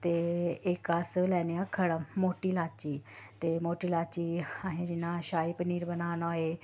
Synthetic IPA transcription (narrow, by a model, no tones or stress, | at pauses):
t̪eekaslɛːnjakʰəɽamoːʈilaːt͡ʃiːt̪emoːʈilaːt͡ʃiaɦẽd͡ʒɪnːaʃaːipniːɾbənaːnaːɦe